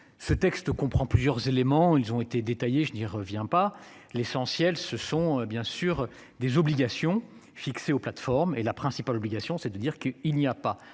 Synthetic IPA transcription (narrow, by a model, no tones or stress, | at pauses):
sət̪ɛkst̪əkɔ̃pχɑ̃plyzjœʁzelemɑ̃ilzɔ̃et̪ed̪et̪ajeʒəniʁəvjɛ̃pa | lesɑ̃sjɛlsəsɔ̃øbjɛ̃syʁ | d̪ezɔbliɡasjɔ̃ | fikseoplat̪fɔʁmelapχɛ̃sipalɔbliɡasjɔ̃sɛd̪əd̪iʁkəilniapa